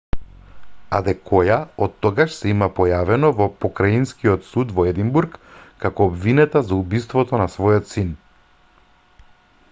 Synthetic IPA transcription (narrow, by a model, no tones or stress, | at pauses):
ad̪ɛkʰɔjaɔt̪ːɔɡaʃsɛimapɔjavɛnɔvɔpɔkɾainskiɔt̪sud̪vɔɛd̪imbuɾkːakɔːbvinɛt̪azaubist̪vɔt̪ɔnasvɔjɔt̪sin